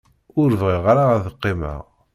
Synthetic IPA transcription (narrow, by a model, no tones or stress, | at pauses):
ʊɾvʁiʁɾaæðəqːemæ̰